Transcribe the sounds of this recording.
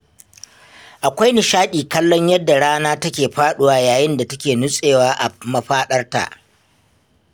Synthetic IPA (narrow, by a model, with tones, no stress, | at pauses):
ʔa˨kʷa˦jnɪ˨ʃaː˦ɗiː˨kɐ˦lːɔ˦ɲjɐ˦dːa˨ɽaː˦naː˦tɐ˦kʲeː˨ɸaː˦ɗʊ˦waː˨˦jaː˨jɪ˦nda˨tɐ˦kʲeː˨nʊ˦sʼeː˨waː˦ʔa˨mɐ˨ɸaː˦ɗɐ˦rta̰˨ʔ